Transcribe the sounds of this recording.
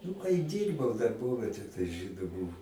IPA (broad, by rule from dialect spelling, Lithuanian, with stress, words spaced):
nʊ kɐɪ ˈdʲiːrbɐʊ dɐrˈboːʋʲɛtʲeː tɐɪ ˈʒʲiːdʊ ˈbʊʋʊ